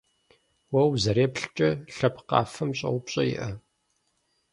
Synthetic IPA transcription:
wɐwzɐɾeːpɬt͡ʃʼɐɬɐpʰqɑ̰ːfɐmɕʼɐ̰wʷʊpɕʼɐjɪ̰ʔɐ

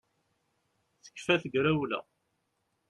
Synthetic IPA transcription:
θə̥kːfæθəɡɾæwlæ̰

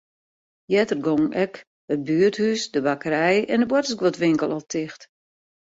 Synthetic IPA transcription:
jɛtərɡoŋʔɛk | ət̚byərthysdəbakəɾɛjɛndəbwɔtəsɡwotʋɪŋkəlˠɔlˠtʰɪxt

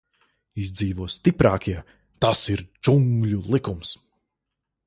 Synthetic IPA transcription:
izd̪ziːvuɔst̪ipɾaːkiɛ | t̪asiɾd͡ʒuŋɡlʲulˠikums

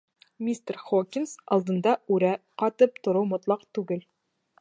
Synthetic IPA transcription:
mʲist̪eɾχokʲinsɒ̰lˠd̪ɤ̆nd̪ɑʉɾæqɒt̪ɤp̚t̪ŏɾɤwmŏt̪lˠɑqt̪ʉɡɘl

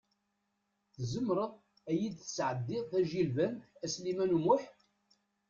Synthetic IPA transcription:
θzəmːɾəðˤ | æjid̪θəsʕəd̪ːɪðˤθæʒilvænæslimænumʊħ

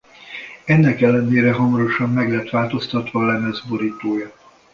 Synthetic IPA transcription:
ɛnːɛkɛlːɛneːɾɛɦɒmɒɾo̞ʃɒmːɛɡlɛt̪ʋaːlt̪o̞st̪ɒt̪ʋɒːlɛmɛzboɾiːt̪oːjɒ

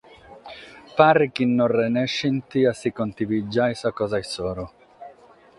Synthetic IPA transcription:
paɾikinːorɛnɛʃːint̪iasikont̪ivid͡ʒːajsakɔzajsɔːɾʊ

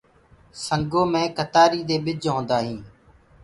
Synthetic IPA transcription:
səŋɡõːmẽːkət̪aːɾiːd̪eːɓɪd͡ʒɦõːnd̪aːɦĩː

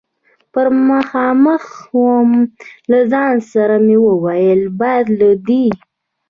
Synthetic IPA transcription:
pəɾməxɑməxwəmlazɑnsaɾamewəwajəlbɑjd̪lad̪i

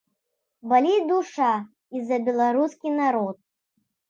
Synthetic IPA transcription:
balʲid̪uʂa | izːɐbʲɛlˠaɾuskʲinaɾɔt̪̚

